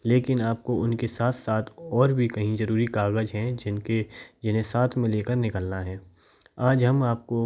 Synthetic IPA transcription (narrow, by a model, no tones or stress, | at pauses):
leːkɪnaːp̚koʊnkesaːt̪ʰsaːt̪ʰɔːɾbʱikɐɦĩzɐɾuːɾikaːɣəd͡ʒɦɛ̃d͡ʒɪnked͡ʒɪnẽsaːt̪ʰmẽleːkəɾnɪkəlnaɦɛː | aːd͡ʒɦɐmaːp̚ko